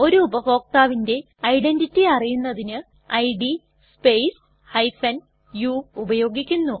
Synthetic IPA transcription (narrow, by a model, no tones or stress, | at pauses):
o̞ɾuːbɐfo̞ːk̚t̪aːʋinde̞ | ɐjɖenditːiɐrijunːɐðinɨ | ɐjɖi | spejs | hɐjfɐn | juːbɐjo̞ːɡikʲːunːu